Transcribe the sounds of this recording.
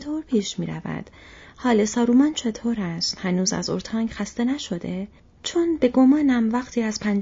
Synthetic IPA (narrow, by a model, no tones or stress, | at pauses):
t̪ʰoːɾpʰiːʃmiːɾæ̰væ̰d̪̥hɒːlesɒːɾuːmɒːnt͡ʃʰe̞t̪ʰoːɾæst̪hænuːzæ̰zo̞̰ɾt̪ʰɒːŋɡxæst̪e̞næʃo̞d̪e̞ | t͡ʃʰonbe̞ɡo̞mɒːnæmvæxt̪ʰiːæz̥pʰæn